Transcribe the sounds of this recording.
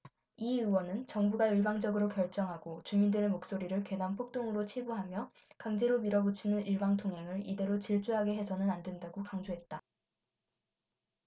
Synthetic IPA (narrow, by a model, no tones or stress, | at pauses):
iɯwʌnɯnt͡ɕʌŋbuɡaɯɭbaŋd͡ʑʌɡɯɾokjʌɭt͡ɕ͈ʌŋɦaɡot͡ɕumindɯɾe̞mok̚s͈oɾiɾɯɭkwe̞nanpʰok̚t͈oŋɯɾot͡ɕʰibuɦamjʌ | kaŋd͡ʑe̞ɾomiɾʌbot͡ɕʰinɯniɭbaŋtʰoŋɦe̞ŋɯɭide̞ɾot͡ɕiɭt͡ɕ͈uɦaɡe̞ɦe̞sʰʌnɯnandwendaɡokaŋd͡ʑoɦe̞t̚t͈a